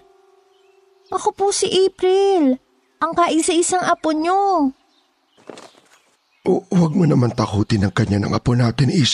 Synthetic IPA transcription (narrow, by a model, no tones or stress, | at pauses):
ʔɐkoposɪʔɛːpɾɪl | ʔɐŋkaːʔɪnsɐʔɪsaŋʔɐpoɲo | ʔowɐɡ̚monɐmant̪ɐkuːt̪ɪnɐŋkɐɲanɐ̰ŋʔɐ̰ponaːt̪ɪnʔis